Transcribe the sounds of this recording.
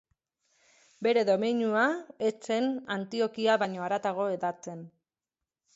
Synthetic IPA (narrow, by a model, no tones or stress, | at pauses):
be̞ɾe̞ðo̞meɲuaet͡se̞nant̪io̞kiaβaɲo̞aɾat̪aɣ̞o̞e̞ðat͡se̞n